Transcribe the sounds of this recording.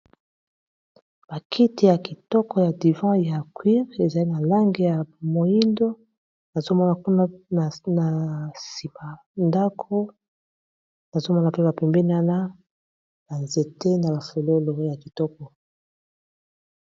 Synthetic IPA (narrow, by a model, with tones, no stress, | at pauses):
b̥a˨kʰi˦ti˨ja˨ki˨tɔ˦kɔ˨ja˨di˨vɑ̃˦ja˨kwi˦ʁe˨za˨li˦na˨la˦ŋɡe˨ja˨mo˨ji˦ndo˦ | na˨zo˦mɔ˦na˨ku˦na˦˨na˨si˨ma˨ | nda˦kʰo˦ | na˨zo˦mɔ˦na˨pe˦ba˨pɛ˨mbɛ˦ni˦wa˦na˦ | ba˨nze˨te˦na˨ba˨fo˨lo˦lo˨˦ja˨ki˨tɔ˦k̚ɔ˨